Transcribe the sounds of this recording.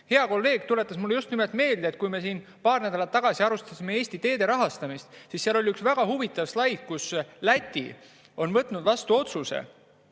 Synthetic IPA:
he̞ɑko̞lːe̞ːɡ̥̚t̪ule̞t̪ːˑɑsmulːejust̪nimelt̪me̞ːld̪eet̪̚ːˑkujme̞siːn | pɑːrnæd̪ɑlɑt̪ːɑɡ̥ɑsiɑɾust̪ɑsime̞e̞ːsʲt̪it̪e̞ːd̪̥e̞ɾɑɦɑst̪ɑmist̪sisːeɑlo̞lʲiyksvæɡ̥ɑhuvit̪ːˑɑvslɑjɡkuslæt̪ʲːḭ | o̞nvɤt̪ːˑnud̪vɑst̪uo̞t̪susḛ

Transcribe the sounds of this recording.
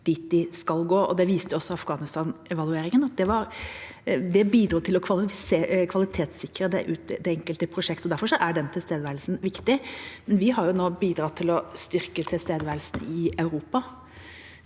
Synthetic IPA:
d̪̥it̪̚d̪ɪskɑlɡoːɔ̰d̪ɛʋiːst̪əjʊɔsːɔɑfɡɑːnɪst̪ɑːnʔɛʋɑlʉeːɾɪŋənɑt̪̚d̪ɛʋɑɾ | d̪ɛbiːd̪ɾuːt̪ʰɪlɔkʰʋɑlseːkʰʋɑlɪt̪ʰeːt̪sɪkːəɾəd̪ɛ̰ʔʉːt̪̚d̪ɛɛŋkəlt̪əpʰɾʊʂɛkt̪ɔd̪æɾfɔʂɔʔæɖɛnt̪ʰɪlst̪eːd̪ʋæɾlsn̩ʋɪkt̪ɪmɛnʋɪɦɑɾjʊnoːbiːd̪ɾɑt̪ʰːɪlɔst̪ʏɾkət̪ʰɪlst̪eːd̪əʋæɾlsn̩ɪɑʉɾuːpɑ

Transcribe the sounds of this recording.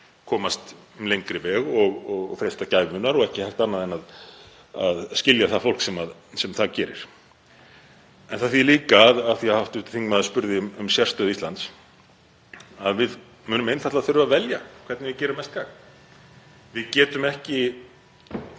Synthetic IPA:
kʰɔːmast̪lejŋkɾɪvɛɣɔɣɔɣfɾejst̪acaːjvmʏnːaɾɔɣɛhcɪhɛjht̪anːaðɛnað | aðscɪljaθafowl̥ksɛmaðsɛmθacɛːɾɪ̰ɾ̥ | ɛnθaθiliːkaːðaθiahawht̪ʏht̪θiŋkmɛðaspʏɾðɪmʏmsjɛr̥st̪œːðist̪ant̪s | aðvɪð | mʏːnʏmejnθat̪laθʏɾʏvavɛljakʰv̥ɛt̪nɪvɪðcɛːɾʏmɛst̪ɡaɣ | vɪðcɛːt̪ʏmɛhcɪ

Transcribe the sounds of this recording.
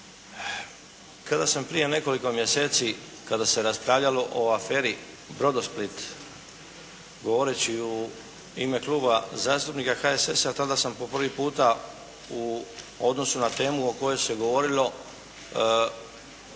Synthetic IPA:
kad̪asampɾije̞ne̞ko̞liko̞mje̞se̞ːt̪si | kad̪ase̞ɾaspɾaʋʎalo̞ʔoafe̞ːɾi | bɾo̞d̪osplit̪ | ɡo̞ʋo̞ɾet͡ɕiu | ime̞kluːbazaːst̪upnikaxaesesat̪ad̪asampo̞pr̩ʋipuːt̪a | uo̞d̪no̞sunat̪e̞ːmuoko̞jo̞jse̞ɡoʋo̞ɾilo̞

